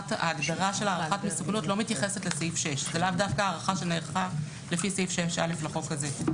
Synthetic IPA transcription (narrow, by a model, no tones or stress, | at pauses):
ta̰ːɡdaʁaʃe̞laːʁaχatmesuknutlo̞mitjaχe̞setleseifʃeʃzelavdafkaaːʁaχaʃe̞neːʁχa | lefiseifʃeʃʔa̰leflaχo̞kaze